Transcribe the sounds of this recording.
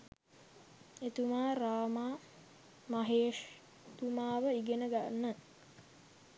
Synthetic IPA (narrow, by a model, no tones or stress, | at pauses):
et̪umaːɾaːmaː | maɦeːʂ | t̪umaːʋəiɡenəɡanːə